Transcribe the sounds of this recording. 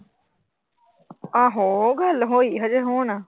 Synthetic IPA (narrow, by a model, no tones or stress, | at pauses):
aːɦoːɡəlɦoːiːɦəd͡ʒeɦoːna